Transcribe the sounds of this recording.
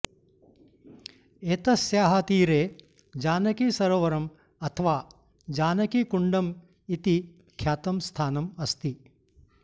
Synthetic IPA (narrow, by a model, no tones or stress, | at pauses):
eːt̪ɐsjaːɦɐt̪iːɾeː | d͡ʒaːnɐkisɐɾoʋɐɾɐm | ɐt̪ʰɐʋaː | d͡ʒaːnɐkikuɳɖɐm | it̪i | kʰjaːt̪ɐmst̪ʰaːnɐmɐst̪i